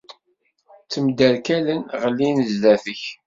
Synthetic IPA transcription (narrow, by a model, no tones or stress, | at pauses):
t͡sːəmd̪ælkælənʁəlːinzðæθəç